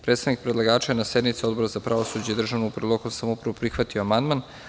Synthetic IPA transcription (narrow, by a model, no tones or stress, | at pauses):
pɾet̪st̪aʋnik̚pɾed̪lˠaɡaːt͡ʃajenase̞d̪nmit̪sio̞d̪bo̞ɾazapɾaʋosud͡ʑaid̪r̩ʒaʋnuupɾlˠokomsamoupɾaʋopɾixʋat̪ioamand̪man